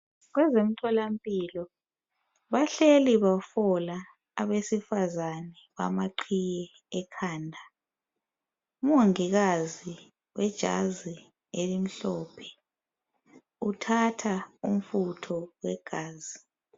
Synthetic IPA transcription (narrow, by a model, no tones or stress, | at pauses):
ɣwɛzem̩tʰɔlam̩pʼiːlɔ | βaɬeliβafɔlaː | βesifazanɛβa̰maǃʰijɛː | kʰaːndʱa | umoŋiɣazi | wɛd̥ʒ̥ʱa̰zi | elim̩ɬɔːpʰɛ̥ | utʰatʰaum̩futʰɔwɛɡ̥ʱaːzi